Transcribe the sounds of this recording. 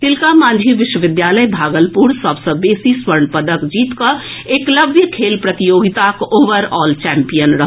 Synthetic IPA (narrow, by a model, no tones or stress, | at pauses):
t̪ɪlkamãnd͡ʒʱiʋɪʃwəʋɪd̪jaləjbʱaːɡəlpuɾsəbʱsə̃beːsiswəɾɳpəd̪əkd͡ʒiːt̪kəekləbʱjəkʰeːlpɾət̪ijoːɡit̪akoːʋəɾɔːlt͡ʃɛmpijənɾəɦ